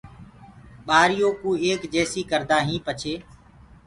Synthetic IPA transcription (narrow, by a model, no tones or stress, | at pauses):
ɓaːɾɪjõːkuːeːkd͡ʒeːsiːkəɾd̪aːɦĩːpət͡ʃʰeː